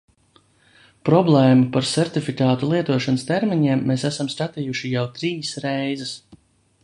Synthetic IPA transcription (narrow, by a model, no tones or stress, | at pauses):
pɾɔblˠɛːmupaɾsɛɾt̪ifikaːt̪ulˠiɛt̪uɔʃanəst̪eɾmiɲiɛmːeːsæsamskat̪ijuʃijawt̪ɾiːsɾejzɛs